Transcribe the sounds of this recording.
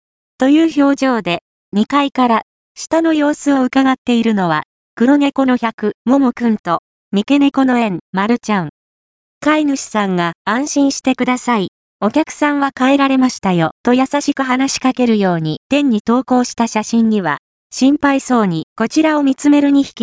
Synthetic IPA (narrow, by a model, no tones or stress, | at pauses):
t̪o̞jɯ̟ːço̞ːʑo̞ːd̪e̞ | ɲ̟ikaikaɾa | ɕi̥t̪ano̞jo̞ːsɨoɯ̟kaɡat̪ːe̞iɾɯ̟no̞β̞a̰ | kɯ̟ɾo̞ne̞ko̞no̞çʲakɯ̟mo̞mɯkɯ̟̃nt̪o̞ | mʲike̞ne̞ko̞no̞ẽ̞ŋmaɾɯ̟t͡ɕãŋ̃ | kainɯɕi̥sãŋɡaãɰ̃ɕĩɰ̃ɕi̥t̪e̞kɯ̟d̪asai | o̞kʲakɯ̟̥sãɰ̃βakae̞ɾaɾe̞maɕi̥t̪ajo̞t̪o̞jasaɕikɯ̟ɦanaɕi̥kake̞ɾɯ̟jo̞ːɲ̟it̪ẽ̞ɲ̟ːit̪o̞ːko̞ːɕi̥t̪aɕaɕĩɲ̟ːiβa̰ | ɕĩmpaiso̞ːɲ̟iko̞t͡ɕiɾao̞mʲit͡sɨme̞ɾɯ̟ɲ̟içi̥kʲi